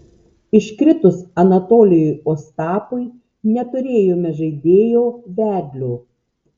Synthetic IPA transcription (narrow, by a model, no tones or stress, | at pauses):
ɪʃʲkɾʲɪt̪ʊsɐnɐt̪oːlʲɪjɔɪoːst̪ɑːpʊɪ | nʲɛt̪ʊɾʲeːjoːmʲɛʒɐɪd̪ʲeːjoːʋʲæːd̪ʲlʲuː